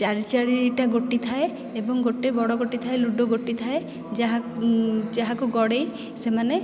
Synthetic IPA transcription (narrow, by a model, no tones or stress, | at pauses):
t͡ʃaɾit͡ʃaɾiiʈaɡoʈit̪ʰae | ebɔŋɡoʈebɔɽɔɡoʈit̪ʰaeluɖɔɡoʈːit̪ʰae | d͡ʒaɦa | d͡ʒaɦakuɡɔɽej | semane